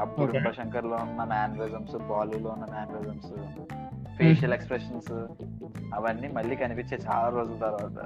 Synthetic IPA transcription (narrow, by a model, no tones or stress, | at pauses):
ɐbːuɽuɾɐʃɐŋkɐɾloːunːɐmaːnɐɾid͡ʒɐmsbaːluloːunːɐmaːnɐɾizɐms | pʰeːʃɐlekspɾeʂɐns | ɐʋɐnːimɐɭːiːkɐnipit͡ʃeːt͡ʃa̰ːlaːɾoːd͡ʒult̪ɐɾʋaːt̪ɐ̰